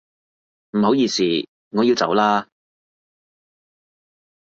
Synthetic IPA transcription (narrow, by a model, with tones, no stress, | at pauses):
m̩˨˩ɦo˨˥wjiː˧siː˨ | ŋɔː˨˧ji˧wt͡sɐ̰˨˥wlaː˥